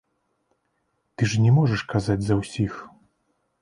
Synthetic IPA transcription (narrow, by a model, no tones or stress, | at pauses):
t̪ɨʐnʲɛmɔʐɛʂkazad͡zʲzɐwsʲix